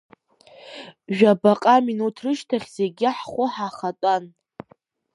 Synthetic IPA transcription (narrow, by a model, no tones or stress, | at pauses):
ʒᶣabaqʼaminutʰrɨʃtʰaχʲzeɡʲɪħχʷʊħaχatʷʼan